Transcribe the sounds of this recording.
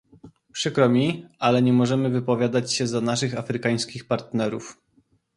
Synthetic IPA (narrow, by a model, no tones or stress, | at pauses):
pʂɘkɾɔmʲialɛɲɛmɔʐɛmɘvɘpɔvʲjad̪at͡ɕɕɛzanaʂɘxafɾɘkaj̃skʲixpaɾt̪nɛɾuf